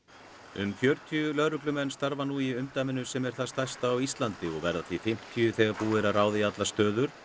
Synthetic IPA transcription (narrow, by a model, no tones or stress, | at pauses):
ʏmfjœɾt̪ʰiʏlœɾʏklʏmɛnːst̪aɾvanuiʏmt̪aːmɪnʏsɛmɛɾ̥θaðst̪ajst̪aːwist̪lant̪ɪɔɣvɛɾðaθifɪm̥t̪ʰiʏθɛːɣaɾpuːɪɾaraːwðɪat̪last̪œːðʏɾ̥